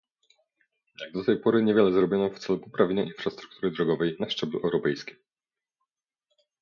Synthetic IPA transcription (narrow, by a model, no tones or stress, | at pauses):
jaɡ̚d̪ɔt̪ɛjpɔɾɘɲevʲjɛlɛzɾɔbʲɔnɔft̪sɛlupɔpɾavʲjeɲaʔinfɾast̪ɾu̥k̚t̪uɾɘd̪ɾɔɡɔvɛjnaʂt͡ʂɛbluʔɛwɾɔpɛjskʲim